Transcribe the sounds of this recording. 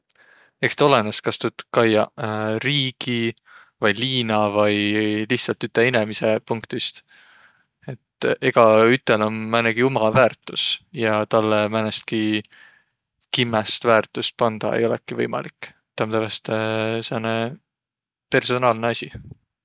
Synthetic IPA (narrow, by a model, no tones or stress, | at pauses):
e̞kst̪ɑo̞leneskɑst̪ut̪kɑjɑriːɡ̥i | vɑjliːnɑvɑjliht̪sɑlt̪yt̪ːeinemise̞puŋkt̪ist̪ | e̞t̪ːe̞ɡ̥ɑyt̪ːˑelonmæneɡ̥iumɑvæːrt̪ːˑusjɑt̪ɑlːemænest̪̚ki | kimːest̪væːrt̪ˑust̪̚pɑnd̪̥ɑ̰ḛjo̞lɛ̰kːˑivɤjmɑ̰likˑː | t̪ːˑɑmt̪ævest̪sene | pe̞rso̞nɑːlneɑsʲi